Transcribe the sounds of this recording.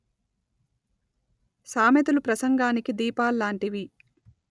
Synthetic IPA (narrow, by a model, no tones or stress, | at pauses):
saːmjɐt̪ulupɾɐsɐŋɡaːnikid̪iːpaːlːaːɳʈiʋi